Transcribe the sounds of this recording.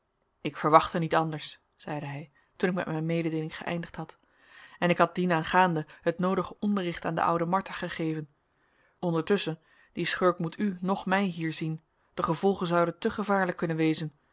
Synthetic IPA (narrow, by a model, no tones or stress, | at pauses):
ɪkfəɹʋɑχtənitɑndəɹs | z̥ɛjdəɦɛj | tunɪk̚mɛ̰tmɛjnmejdədeːlɪŋχə̰ʔɛ̰jndəχtɦɑt | ɛnɪkɦɑt̚dinaːnχaːndəɦətnowdəχəʔɔndərɪχtaːndə̰ʔʌ̰wdəmɑɹtaχəχejvən | ɔndəɹtɵsən | d̥isχøɹkmutʰynɔχmɛjɦiːɹzin | d̥əχəv̥ɔlˠχənzɑwdəntɵχəvaːɹləkːɵnənʋejzən